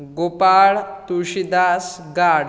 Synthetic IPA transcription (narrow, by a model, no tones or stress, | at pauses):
ɡopaɭt̪uɕid̪as | ɡaɽ